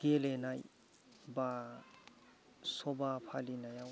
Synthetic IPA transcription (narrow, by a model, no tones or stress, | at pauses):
ɡ̥elenaj | ba | sɔbapʰalinajaw